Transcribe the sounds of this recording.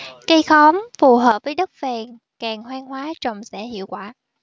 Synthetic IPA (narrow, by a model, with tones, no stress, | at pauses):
kə˧jxɔ˨˦mfu˨˩ɦəː˨˩p̚vəː˨˦jɗə˦˥k̚vɛː˨˩ŋ | kaː˨˩ŋhwaː˧ŋhwaː˨˦t͡ɕɔ˨˩wŋ͡msɛ̰˧˥hḭ˧˨əwkwaː˧˩